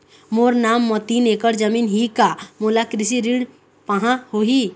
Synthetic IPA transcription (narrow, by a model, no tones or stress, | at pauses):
moɾnamːɔt̪inekəɾd͡ʒəminɦikamolakɾisiɾiɽ | pəɦãhoɦi